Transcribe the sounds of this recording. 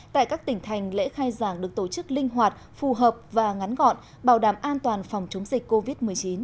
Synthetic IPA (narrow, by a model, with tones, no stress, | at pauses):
t̪a̰ː˧˨jkaː˦˥k̚t̪ï˧˩ŋ̟t̪ʰa˨˩jŋ̟lḛ˧˥xaː˧jzaː˧˩ŋɗɨ˨˩ək̚t̪o˧˩t͡ɕɨ˦˥k̚lï˧ŋ̟ɦwaː˨˩t̚fu˨˩ɦəː˨˩p̚vaː˨˩ŋa˨˦nɣɔ̰˧˨n | ɓaː˧˩wɗaː˧˩mʔaː˧nt̪waː˨˩nfɔ˨˩wŋ͡mt͡ɕə˨˦wŋ͡mzï˨˩k̟̚kːo˧vi˦˥t̚mɨ˨˩əjt͡ɕi˨˦n